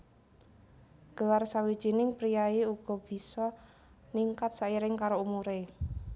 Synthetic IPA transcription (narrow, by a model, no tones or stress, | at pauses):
ɡ̥əlarsawid̥ʒ̥i̤nɪŋpɾijaeuɡ̥ɔ̤b̥i̤sɔ | niŋkat̪̚saiɾɪŋkaɾoumuɾe